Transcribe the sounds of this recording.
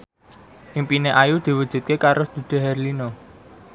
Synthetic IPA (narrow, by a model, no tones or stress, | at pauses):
ʔimpineʔajud̪̥i̤wəd̥ʒ̥ṳt̪̚kekaɾʊsd̪̥ṳd̪̥e̤ɦɛrlino